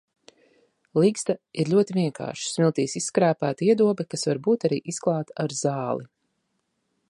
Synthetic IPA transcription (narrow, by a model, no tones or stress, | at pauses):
lˠiɡst̪aiɾʎʲuɔt̪iviɛŋkʰa̰ːɾʃi̥smʲilˠt̪iːsisːkɾaæːpæːt̪iɛd̪uɔbɛkasvaɾbuːt̪aɾiːʔisklˠɑːt̪aaɾzaːlˠi